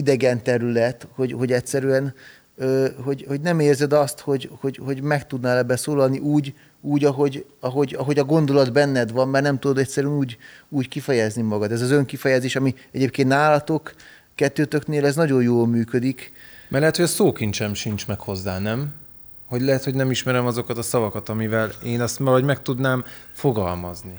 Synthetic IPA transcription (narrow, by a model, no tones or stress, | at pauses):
id̪ɛɡɛnt̪ɛɾylɛt̪ho̞ɟho̞ɟɛcʲsɛɾyɛn | øːɦo̞ɟho̞ɟnɛmeːrzɛd̪ɒst̪ho̞ɟho̞ɟho̞ɟmɛkt̪ud̪nɔɛlɛbːɛsoːlɒlniʔuːɟ | uːɟɒɦo̞ɟɒɦo̞ɟɒɦoɟɒɡo̞nd̪o̞lɒd̪bɛnːɛd̪ʋɒmːɛrnɛmt̪ud̪od̪ɛcʲsɛɾyɛnuːɟuːckifɛjɛznimɒɡɒt̪ɛzɒzø̞ŋkifɛjɛzeːʃɒmi | ɛɟeːp̚keːnt̪aːlɒt̪o̞kː | ɛt̪ːøːt̪økneːlɛznɒɟo̞jjoːlmyːkød̪ikmʔɛrlɛɦɛt̪hoɒsoːkint͡ʃɛmʃint͡ʃmɛkho̞zːaːnɛm | ho̞ɟlɛɦɛt̪ho̞ɟnɛmiʃmɛɾɛmɒzo̞kɒt̪ɒsɒvɒkɒt̪ɒmivɛleːnɛst̪ɒloɟmɛk̚t̪ud̪naːmfo̞ɡɒlmɒ̰zni